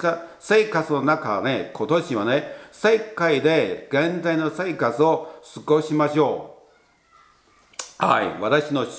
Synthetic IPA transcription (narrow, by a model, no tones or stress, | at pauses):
ase̞ːkat͡sɨno̞nakane̞kʰo̞t̪o̞ɕiβanese̞kːaid̪e̞ɡẽ̞nd͡zaino̞se̞ːkat͡sɨo̞sɨɡo̞ɕimaɕo̞ː | ha̰ḭβat̪aɕino̞